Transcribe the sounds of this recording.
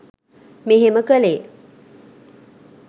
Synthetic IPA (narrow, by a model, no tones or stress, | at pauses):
meɦeməkəleː